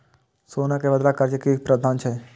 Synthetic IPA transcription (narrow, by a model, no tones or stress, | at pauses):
soːnakeʋəd̪ɾakəɾt͡ʃekik̚pɾəd̪ʱaːnt͡ʃʰe